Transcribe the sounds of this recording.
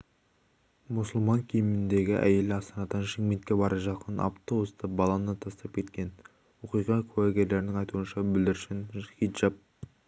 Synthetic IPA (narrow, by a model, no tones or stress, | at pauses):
mʊsəlˠmɑŋkʲʰijɪmɪnd̪e̞ɡʲɪʔæ̰je̞lɪɑst̪ɑnɑd̪ɑnʃɪŋme̞nt̪kʲe̞bɑɾʔəʒɑqʰənɑ̰pt̪owəst̪ɑbɑlˠɑnɑt̪ʰɑst̪ɑp̚kʲʰe̞t̪kʲe̞n | woqijʁɑkʲʰʉwæɡʲe̞ɾle̞ɾɪnɪŋɑjt̪uənʃɑbʏld̪ɪɾʃɪnχid̪ʒɑp̚